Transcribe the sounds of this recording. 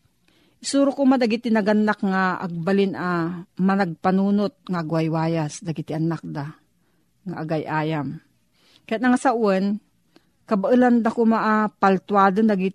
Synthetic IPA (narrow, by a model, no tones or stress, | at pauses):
ʔɪsuɾokʊmad̪aɡɪt̪ɪnɐɡanːakŋaʔa̰ɡ̚balɪnamɐnaɡ̚panuːnot̪̚ŋaʔːɡwajwaːjasd̪aɡɪt̪ɪʔanak̚d̪a | ŋaʔaɡajʔaːjam | kajat̪nɐŋasaʔwɛn | kɐbaʔɨland̪akomaʔapalt̪waːd̪ond̪aɡɪ